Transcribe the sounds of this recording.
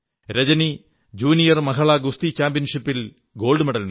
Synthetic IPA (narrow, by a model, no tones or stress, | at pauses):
ɾɐd͡ʑɐni | d͡ʑuːnijɐrmɐɦɐɭɐɡust̪it͡ɕaːmbjɐnʂipːil | ɡo̞ːɭɖɨmeɽɐlm